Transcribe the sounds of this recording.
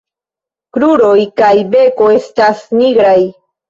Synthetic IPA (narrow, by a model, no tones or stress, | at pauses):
kɾuɾojkajbekoest̪asniɡɾaj